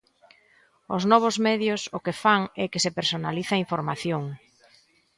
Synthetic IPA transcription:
ʊ̰znɔβ̞ʊzmɛðjʊsʊkefaŋɛkɪsepeɾsonaliθaiɱfoɾmaθjoŋ

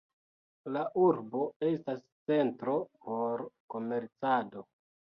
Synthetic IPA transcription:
laʔuɾbo̞e̞stas | t͡se̞ntɾo̞po̞ɾko̞me̞ɾt͡sado̞

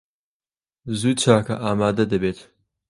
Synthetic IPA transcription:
zuːt͡ʃʰaːkɐʔaːmaːd̪ɐd̪ɐbeːt̪

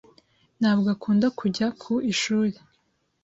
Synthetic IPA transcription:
n̥haːbɡakʰuːndakuɟakʰuiʃuːɾe

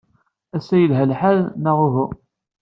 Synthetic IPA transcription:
æsæjəlɦælħaðnəʁʊɦu

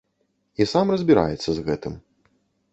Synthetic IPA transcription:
isamrɐzʲbʲiɾa̰jɛt̪sːɐzɣɛt̪ɨm

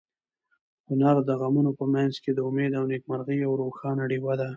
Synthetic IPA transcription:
hʊnaɾd̪əɣamunopəmanzked̪əʊmed̪awnek̚maɾɣiawɾoxɑnaɽiwad̪a

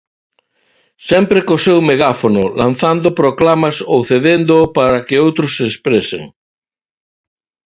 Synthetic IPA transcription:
sɛmpɾekosewmeɣafonʊlã̰n̟θand̪opɾoklamasowθeðend̪opaɾɐkeowt̪ɾʊsːeːspɾesḛŋ

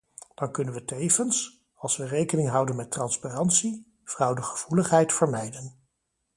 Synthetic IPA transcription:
d̥ɑnkɵnənʋətejvəns | ɑlˠsʋərejkənɪŋɦɑwdənmɛtrɑnsparɑntsi | v̥rɑwdəχəv̥uləχɦɛjtfəɹmɛjdən

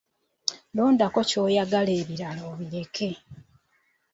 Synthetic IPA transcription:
lo̞ːndako̞co̞ːjaɡale̞ːβiɾalo̞ːβiɾe̞kʰe̞

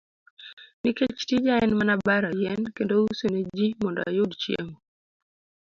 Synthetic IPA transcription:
niket͡ʃtid͡ʒaɛnmanabaɾajɛnkendousoned͡ʒimɔndɔ̰a̰jodt͡ʃjḛmo

